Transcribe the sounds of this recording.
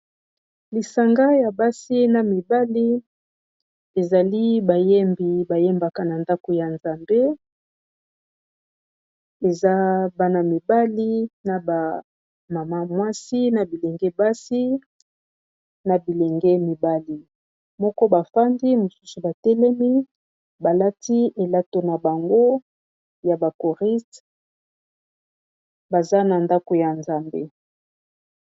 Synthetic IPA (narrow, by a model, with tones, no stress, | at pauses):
li˨sa˨ŋɡa˦ja˨ba˦si˦na˨mi˨ba˦li˦ | e˨za˨li˦ba˨je˦mbi˨ba˨jɛ˦mba˨ka˨na˨nda˦ko˨ja˨nza˨mbe˦ | e˨za˦ba˦na˨mi˨ba˦li˦na˨ba˨ | ma˨ma˦mwa˦si˦na˨bi˨lɛ˨ŋɡɛ˦ba˦si˦ | na˨bi˨le˨ŋɡɛ˦mi˨ba˦li˨ | mɔ˦kɔ˦ba˨fa˦ndi˦mo˨su̥˦su˨ba˨tɛ˦lɛ˦mi˦ | ba˨la˦ti˦e˨la˦to˨na˨ba˨ŋɡo˦ | ja˨ba˨ko˨ʁi˦t | ba˨za˦na˨nda˦ko˨ja˨nza˨mbḛ˦